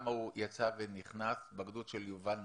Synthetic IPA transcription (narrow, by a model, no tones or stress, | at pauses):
maujat͡saveniχnasbaɡdut̪ʃeljuvan